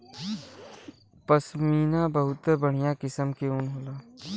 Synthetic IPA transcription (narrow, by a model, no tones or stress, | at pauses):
pəsmiːnabəɦʊt̪bəɽ̤ijakɪsəmkeunɦoːlaː